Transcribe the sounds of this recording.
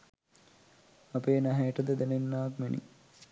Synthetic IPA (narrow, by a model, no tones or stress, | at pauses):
ɐpeːnɐɦeːʈəd̪əd̪enenːaːkmenḭ